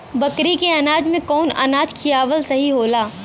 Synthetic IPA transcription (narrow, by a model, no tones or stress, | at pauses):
bɐkɾikeɐnaːd͡ʒmẽkɔːnɐ̰naːd͡ʒkʰijaːʋəlsɐɦiɦoːlaː